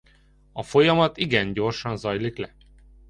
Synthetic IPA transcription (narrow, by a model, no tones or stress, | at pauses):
ɒfo̞jɒmɒt̪iɡɛnɟo̞rʃɒnzɒjliklɛ